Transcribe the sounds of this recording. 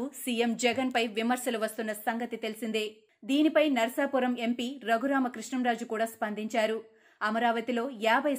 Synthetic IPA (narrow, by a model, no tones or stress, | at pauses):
usijemd͡ʒɛɡɐnpɐjʋimɐɾsɐluʋɐst̪unːɐsɐŋɡɐt̪it̪e̞lisind̪eː | d̪iːnipɐjnɐɾɐsaːpuɾɐme̞mpiːɾɐɡuɾaːmɐkɾiʂɳɐmɾaːd͡ʒukuːɽaːspɐnd̪iɲt͡ʃaːɾu | ɐmɐɾaːʋɐt̪ilo̞ːjaːbʱɐj